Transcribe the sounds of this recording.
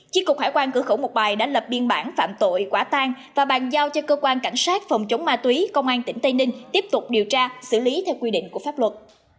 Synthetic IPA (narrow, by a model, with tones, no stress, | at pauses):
t͡ɕi˦˥kːʊ˨˩k͡p̚haː˧˩jkwaː˧nkɨ˧˩əxə˧˩wmo˨˩t̚ɓaː˨˩jɗa̰ː˧˥lə˨˩p̚ɓi˧ənɓaː˧˩nfa̰ː˧˨mt̪o̰˧˨jkwaː˧˩t̪aː˧ŋ | vaː˨˩ɓaː˨˩nzaː˧wt͡ɕɔ˧kəː˧kwaː˧nka˧˩jŋ̟saː˦˥t̚fɔ˨˩wŋ͡mt͡ɕə˨˦wŋ͡mmaː˧t̪wi˨˦kə˧wŋ͡mʔaː˧nt̪ï˧˩ŋ̟t̪ə˧nï˧ŋ̟t̪i˦˥əp̚t̪ʊ˨˩k͡p̚ɗi˨˩əwt͡ɕaː˧sɨ̰˧˩li˨˦t̪ʰɛ˧wkwi˧ɗḭ̈˧˨ŋ̟ku˧˩əfaː˦˥p̚lwə˨˩t̚